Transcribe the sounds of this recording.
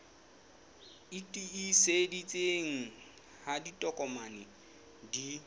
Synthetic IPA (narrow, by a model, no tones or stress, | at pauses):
itʼiisedit͡sʼeŋ̩ | haditʼɔkʼɔmanɪ | di